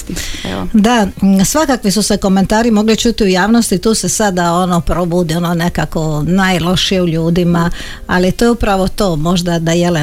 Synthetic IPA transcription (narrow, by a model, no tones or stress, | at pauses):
d̪asʋakakʋisuse̞ko̞me̞nt̪aːɾimo̞ɡlit͡ʃuːt̪iujaːʋnost̪it̪uːse̞sad̪ao̞nopɾobuːd̪io̞none̞kako̞najlˠo̞ʃijeuʎuːd̪ima | alit̪ojupɾaʋo̞t̪oːmo̞ʒd̪ad̪ajele